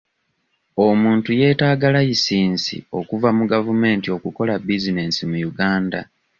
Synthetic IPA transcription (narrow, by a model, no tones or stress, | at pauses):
omuːntuje̞ːtaːɡalajisiːnsḭo̞kuvamuɡavume̞ːntio̞kuko̞labizine̞simujuɡaːnda